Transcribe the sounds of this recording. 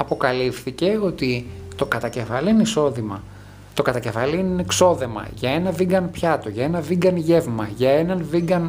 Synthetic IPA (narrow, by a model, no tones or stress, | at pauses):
ɐpo̞kɐlifθice̞o̞t̪it̪o̞kɐt̪ɐce̞fɐliineiso̞ðimɐ̰ | t̪o̞kɐt̪ɐcefɐliinikso̞ðe̞mɐ̰ʝɐe̞nɐviŋɡɐnpçɐt̪o̞ʝɐe̞nɐviŋɡɐnʝe̞vmɐʝɐe̞nɐnviŋɡɐn